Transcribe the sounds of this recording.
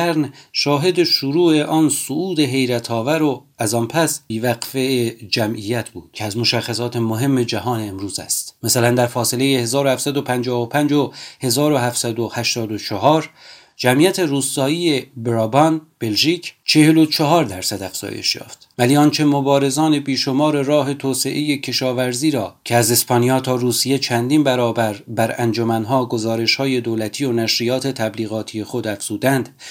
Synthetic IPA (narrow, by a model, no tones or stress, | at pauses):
æɾnʃɒːɦe̞d̪eʃuɾuːʔe̞ʔɒːnsoʔuːd̪e̞ɦe̞jɾæt̪ʰɒːvæɾo | æzɒːnpʰæsbiːvæqfeed͡ʒæmʔijæt̪ʰbuːd̪̥cʰeæzmo̞ʃæχːæsɒːt̪ʰemoɦe̞mːe̞d͡ʒæɦɒːneːmɾuːzæ̰st̪mæsælænd̪æɾfɒːsele̞jehe̞zɒːɾohæfsæd̪opʰænd͡ʒɒːhopʰænd͡ʒohe̞zɒːɾohɦæfsæd̪ohæʃt̪ɒːd̪ot͡ʃʰɔɦɒːɾ | d͡ʒæmʔijæt̪ʰe̞ɾuːst̪ɒːiːebɾɒbɒnb̥e̞lʒiːcʰt͡ʃʰe̞helot͡ʃʰɒɦɒːɾd̪æɾsæd̪æfz̥ɒ̰ːjḛʃjɒ̰ːft̪væliːɒːnt͡ʃʰe̞mobɒːɾe̞zɒːne̞biːʃo̞mɒːɾe̞ɾɒːɦe̞t̪ʰoːse̞ʔe̞je̞cʰe̞ʃɒːvæɾziːɾɒːcʰeæze̞spʰɒːnijɒːt̪ʰɒːruːsije̞t͡ʃʰænd̪iːnbæɾɒːbæɾbæɾænd͡ʒomænɦɒːɡo̞zɒːɾe̞ʃhɒːje̞d̪oːlæt̪ʰiːo̞næʃɾijɒːt̪ʰe̞t̪ʰæbliːɣɒːt̪ʰije̞xo̞d̪æfz̥uːd̪ænd̪̥